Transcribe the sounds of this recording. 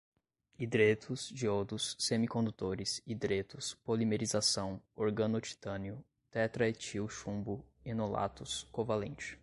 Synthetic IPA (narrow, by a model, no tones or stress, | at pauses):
id̪ɾet̪ʰʊzd͡ʒiod̪ʊsːẽmikõnd̪ut̪oɾɪsid̪ɾet̪ʊspolimeɾizasɐ̃w̃oɾɡɐ̃not͡ʃi̥t̪ɐ̃niʊ | t̪ɛt̪ɾɐet͡ʃiwʃũmbʊenola̰t̪ʊskovalẽnt͡ʃɪ̥